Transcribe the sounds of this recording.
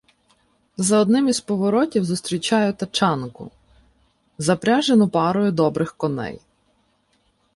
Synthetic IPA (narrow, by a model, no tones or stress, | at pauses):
zɐɔd̪nɪmizpɔʋɔɾɔtʲiwzʊst̪ɾʲit͡ʃɑjʊt̪ɐt͡ʃɑnkʊ̰ | zɐpɾʲaʒenʊpɑɾʊjʊd̪ɔbɾɪxkɔnɛ̰j